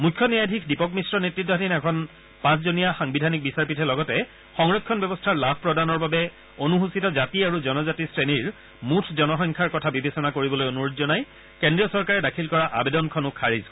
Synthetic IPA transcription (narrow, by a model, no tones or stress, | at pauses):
mukʰːjɔnijajdʱikʰdipɔkmisɹɔnetɹitːɔɦdinɛkʰɔn | pãs̬zonijaxaŋbidʱanik̚bisaɹpitʰɛlɔɡɔtɛ | xɔŋɹɔkʰːɔnbjɔbɔstʰaɹlabʱpɹɔdanɔɹbabɛ | onuɦusitɔzatiaɹuzɔnɔzatisɹeniɹ | mutʰzɔnɔxɔŋkʰaɹkɔtʰabibesɔnakoɹibɔlojonuɹodzɔnaj | kendɹiɔsɔɹkaɹɛdakʰilkɔɹaʔa̰bedɔnkʰɔnʊkʰaɹiz